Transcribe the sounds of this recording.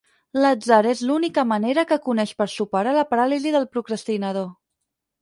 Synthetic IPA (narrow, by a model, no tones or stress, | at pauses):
ləd͡zaɾezlunikəməneɾəkəkunɛʃpəɾsupəɾaləpəɾaliziðəlˠpɾukɾəst̪inəð̞o